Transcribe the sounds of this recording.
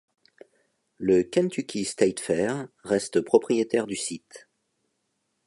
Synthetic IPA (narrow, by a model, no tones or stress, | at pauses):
ləkʲɛ̃nt̪ykʲist̪ajt̪fɛʁːɛst̪əpχɔpχijet̪ɛʁd̪ysit̪